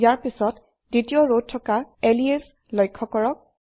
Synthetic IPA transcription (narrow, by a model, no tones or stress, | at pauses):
jaɹpisɔt | ditiɔɹod̚tʰːɔkaelies | lɔjkʰːɔkɔɹɔk̚